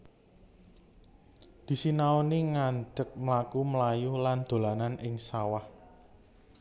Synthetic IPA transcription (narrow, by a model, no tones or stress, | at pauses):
d̪̥i̤sinaoniŋand͡ʒək̚məlakumlajuland̪̥o̤lananʔɪŋsawah